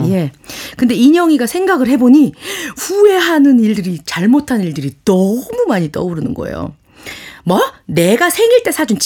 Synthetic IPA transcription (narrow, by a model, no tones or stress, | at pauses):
je̞kɯnde̞iɲʌŋiɡasʰe̞ŋɡaɡɯɭhe̞boɲiɸue̞ɦanɯniɭdɯɾit͡ɕaɭmotʰanɯniɭdɯɾitʌmumaɲit͈ʌ̰uɾɯnɯ̰nɡʌ̰ḛjo̰ | mʌne̞ɡasʰe̞ŋiɭt͈e̞sʰad͡ʑunt͡ɕ